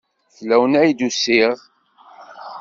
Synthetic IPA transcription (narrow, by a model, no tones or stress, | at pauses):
θlæwənæjd̪usːiʁ